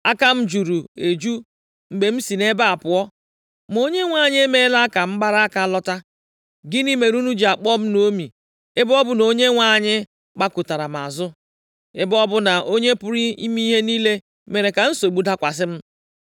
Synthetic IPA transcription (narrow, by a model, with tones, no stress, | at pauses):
a˦ka˦m̩˦d͡ʒu˨ɾu˨e˨d͡ʒu˦ | ŋ͡m̩˨ɡ͡be˨m̩˦si˨ne˦ba˦a˨pʊ˨ɔ˦ | m˨o˦ɲe˦ŋʷa˦˨ɲɪ˦e˦me˦la˦ka˨m̩˦ɡ͡ba˦ɾa˦ka˨˦lɔ˦ta˦ | ɡɪ˦ni˦me˨ɾu˦nu˦d͡ʒi˨a˨k͡pɔ˦m̩˦no˦mi˨ | ɪ˦bɔ˦bʊ˦no˦ɲe˦ŋʷa˦˨ɲɪ˦ | k͡pa˦kʊ˨ta˨ɾa˨m̩˨a̰˨zʊ˦ | ɪ˦bɔ˦bʊ˦na˨ʔo˦ɲe˦pʊ˦ɾi˦ḭ˦mi˦ɦe˦niː˦le˦ | me˨ɾe˨ka˨n̩˦so˨ɡ͡bu˨da˦kʷa˨s̬ɪ˦m̩˦